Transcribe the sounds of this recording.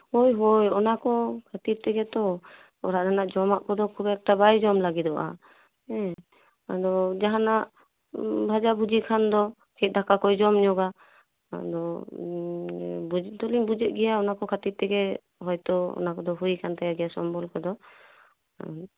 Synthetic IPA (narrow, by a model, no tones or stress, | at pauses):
hojɦojɔnakɔkʰat̪iɾt̪ɛɡɛt̪ɔ | ɔ̰ɾaʔd̪anaʔd͡ʒɔmaʔkɔd̪ɔkʰubɛk̚ʈabajd͡ʒɔmlaɡid̪ɔʔa̰ | ɛ | ad̪ɔd͡ʒaɦanaʔ | bʱad͡ʒabud͡ʒikʰand̪ɔ | kʰɛt̪̚dʱakakɔjd͡ʒɔmɲɔɡa | a̰d̪ɔ | bud͡ʒt̪ɔlimbud͡ʒɛʔ̚ˀɡɛjaɔnakɔkʰat̪iɾt̪ɛɡɛ | ɦɔjt̪ɔɔ̰nakɔd̪ɔɦujkʰant̪ajaɡɛjasɔmbɔlkɔd̪ɔ